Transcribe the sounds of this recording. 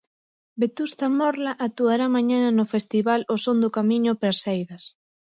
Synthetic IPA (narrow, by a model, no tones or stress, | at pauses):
bet̪ust̪amɔɾlaʔat̪uaɾamaɲananʊfest̪iβalosond̪ʊkamiɲʊpɾasejðɐs